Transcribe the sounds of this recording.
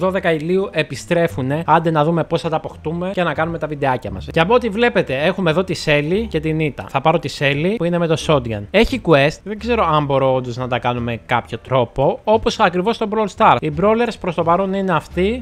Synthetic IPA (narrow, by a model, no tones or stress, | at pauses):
ðo̞ðe̞kɐiliuʔe̞pist̪ɾe̞fune̞ɐnd̪enɐðume̞po̞sθɐt̪ɐːpo̞xt̪ume̞cenɐkɐnume̞t̪ɐvid̪e̞ɐcɐmɐ̰sceɐpoot̪ivle̞pe̞t̪e̞e̞xume̞ðo̞t̪ise̞lice̞t̪init̪ɐ̰θɐpɐɾo̞t̪ise̞lipuineme̞t̪o̞so̞d̪ɡɐne̞çikue̞st̪ðe̞ɡze̞ɾo̞ɐmbo̞ɾoond̪oznɐt̪ɐkɐnume̞kɐpço̞t̪ɾo̞po̞o̞po̞sɐkɾivo̞st̪o̞bɾolst̪ɐɾibɾo̞le̞ɾspɾo̞st̪o̞pɐɾo̞nine̞ɐft̪i